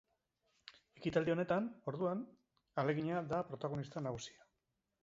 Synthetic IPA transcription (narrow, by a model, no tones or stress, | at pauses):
e̞kit̪ald̪io̞ne̞t̪ano̞ɾðuan | ale̞ɣiɲad̪apɾo̞t̪aɣ̞o̞nist̪anaɣusi̥a